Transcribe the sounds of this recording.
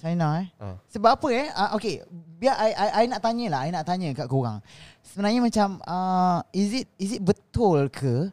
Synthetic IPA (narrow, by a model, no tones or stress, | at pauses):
t͡ʃajnaɛ̰səbap̚apəɛəʔokebiaʔajʔajʔainaʔt̪aɲə̃laɦajnãʔt̪aɲə̃kaʔkoɣa̰ŋsəbənaɲəmãt͡ʃaməizit̪̚isit̪̚bət̪ʊlkʰə